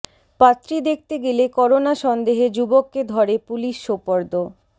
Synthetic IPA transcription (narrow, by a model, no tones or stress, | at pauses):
pat̪ːɾid̪ek̚ʰt̪eɡelekɔɾonaʃɔnd̪eɦed͡ʑubokːed̪ʱɔɾepuliʃːopoɾd̪o